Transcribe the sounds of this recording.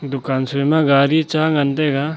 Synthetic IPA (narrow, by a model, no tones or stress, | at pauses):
d̪ukansuemaɡaɾit͡ʃaŋand̪eɡa